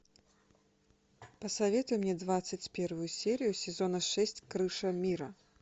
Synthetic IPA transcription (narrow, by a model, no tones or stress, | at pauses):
pəsɐvʲɛt̪ʊjɪmnʲɛd̪vat̪sɨt͡sʲpʲervʊjʊsʲeɾʲɪjʊsʲɪzonɐʂɛsʲt͡sʲkɾɨʂɐmʲiɾɐ